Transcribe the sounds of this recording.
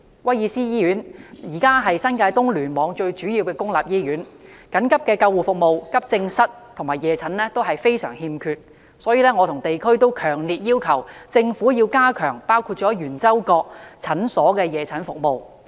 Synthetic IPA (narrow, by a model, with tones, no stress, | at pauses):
wɐ˥jiː˧siː˥jiː˥jyː˨˥njiː˨˩kaː˥ɦɐ˨jsɐ˥nkaː˧jt̪ʊ˥ŋlyː˨˩nmɔː˨˧˥ŋt͡ʃɵ˧ɥt͡ʃyː˨˥jiː˧wkɛː˧kʊ˥ŋlaː˨p̚jiː˥jyː˨˥nkɐ˨˥nkɐ˥p̚kɛː˧kɐ˧wuː˨˩fʊ˨k̚mo˨˧wkɐ˥p̚t͡sɪ˧ŋsɐ˥t̚t̪ʰʊ˨˩ŋmaː˨˩jɛː˨˧t͡sʰɐ˨˥nlɛː˥t̪o˥wɦɐ˨jfe˥jsœː˨˩ŋhiː˧mkʰyː˧t̚ | sɔː˨˥jiː˧lɛː˥ŋɔ˨˧t̪ʰʊ˨˩ŋt̪e˨jkʰɵ˥ɥt̪o˥wkʰœː˨˩ŋliː˨t̚jiː˥wkʰɐ˨˩wt͡sɪ˧ŋfuː˨˥jiː˧wkaː˥kʰœː˨˩ŋpaː˥wkʰuː˧t̚t͡ʃɔː˨˥jyː˨˩nt͡sɐ˥wkɔː˧k̚t͡sʰɐ˨˥nsɔː˨˥kɛː˧jɛː˨˧t͡sʰɐ˨˥nfʊ˨k̚mo˨˧w